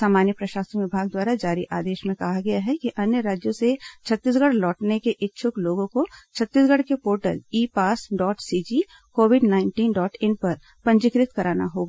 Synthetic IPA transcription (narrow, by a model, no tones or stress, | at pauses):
saːmaːnjəpɾɐʃaːsɾʋɪbʱaːɡ̚d̪waːɾad͡ʒaːɾiʔaːd̪eːʃmẽkɐɦaɡɐjaɦɛkiʔɐnjəɾaːd͡ʒjõset͡ʃʰɐt̪ːiːs̬ɡəɽlɔːʈnekeʔɪtːʃʰʊkloːɡõkot͡ʃʰɐt̪ːiːsɡəɽkepoːɾʈə̰liːpaːsɖɔːʈsiːd͡ʒi | koːwɪɖnaːɪ̃ɳʈiːnɖɔːʈɪ̃npɐɾ | pɐ̃ɲd͡ʒɪkɾɪt̪kɐɾaːna̰ɦoːɡaː